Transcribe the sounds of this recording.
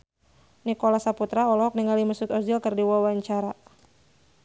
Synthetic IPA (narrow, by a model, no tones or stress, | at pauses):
nikolasaput̪ɾaɔlɔɦɔk̚niŋaliməsut̪ɔd͡ʒilkɨrdiwawaɲt͡ʃaɾa